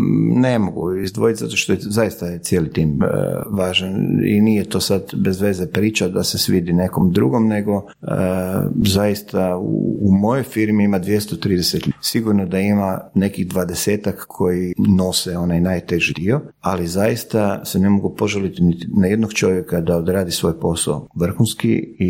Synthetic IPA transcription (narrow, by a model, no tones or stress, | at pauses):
nemoɡṵizd̪ʋo̞jit̪ʲzat̪o̞ʃt̪ojezajist̪ajet̪sjelit̪iːmʋaːʒanḭnijet̪o̞ːsad̪bezʋezepɾiːt͡ʃad̪asesʋiːd̪ine̞komd̪ɾṵɡo̞mne̞ɡo̞ | ə | zajist̪ʰaṵːmo̞jo̞jfiɾmiimad̪ʋje̞st̪ot̪ɾiːd̪eset̪siɡuɾnod̪aimane̞kiɣd̪ʋad̪e̞se̞ːt̪akʰːo̞jino̞seo̞najnaːjt̪e̞ʒid̪io̞alizajist̪asene̞moɡupo̞ʒelit̪init̪inajed̪noɡt͡ʃo̞ʋje̞kad̪aod̪ɾaːd̪isʋo̞jpo̞sa̰oʋr̩xunskḭi